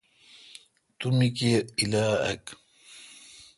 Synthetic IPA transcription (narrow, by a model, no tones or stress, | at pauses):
t̪umikeilaːɐ̰k